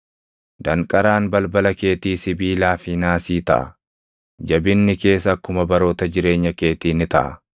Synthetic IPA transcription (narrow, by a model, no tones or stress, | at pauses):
d̪ɐŋkʼɐɾaːnbɐlbɐlɐkeːt̪iːsɪbiːlaːfɪnaːsiːt̪ɐ̰ʔɐ̰ | d͡ʒɐbɪnːɪke̞ːs̬ɐɐkːʊmɐbɐɾoːt̪ɐd͡ʒɪɾe̞ːɲːɐke̞ːt̪iːnɪt̪ɐʔɐ̰